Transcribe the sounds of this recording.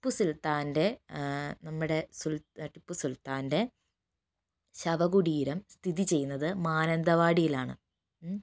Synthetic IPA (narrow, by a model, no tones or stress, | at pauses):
ipːusult̪aːnde̞ | nɐmːuɽe̞sulʈipːusult̪aːnde̞ | ɕɐʋɐɣuɽiːɾɐmst̪ʰiðit͡ɕe̞jːunːɐðɨmaːnɐnd̪ɐʋaːɽijilaːɳɨ̰